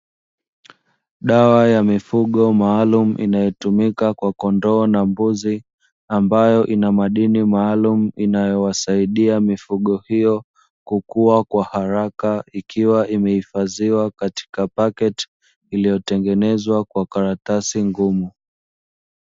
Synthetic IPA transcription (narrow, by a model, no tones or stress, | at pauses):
ɗawajamifuɠɔmaːlum̩ʔḭnajɔtumikakwakɔndɔːnambuzi | ambajɔʔinamaɗinimaːlum̩inajɔwasaiɗiamifuɠɔhijɔ | kukuakwahaɾakaikiwaʔimɛhifaziwakati̥kapakɛt | ilijɔtɛŋɡɛnɛzwakwakaɾatasiŋɡumu